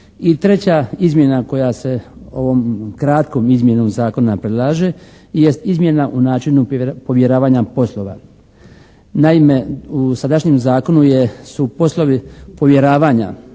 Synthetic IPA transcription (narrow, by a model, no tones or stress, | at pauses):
it̪ɾe̞t͡ɕaizmje̞nako̞jase̞o̞̰ʋoːmkɾat̪ko̞ːmizmje̞no̞ːmzaːko̞napɾed̪lˠaʒe | je̞st̪izmʲje̞naʔunaːt͡ʃinupo̞ʋje̞ɾaːʋaːɲapo̞slˠo̞ːʋa̰ | naime̞usad̪aʃɲemzaːko̞nujesupo̞slˠo̞ʋipo̞ʋje̞ɾaːʋaːɲa̰